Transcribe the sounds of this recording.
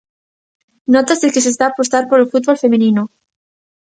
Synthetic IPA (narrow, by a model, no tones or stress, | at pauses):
not̪azðelkes̬est̪aːpost̪aɾpo̞ɾelfut̪̚βolfe̞mĩnino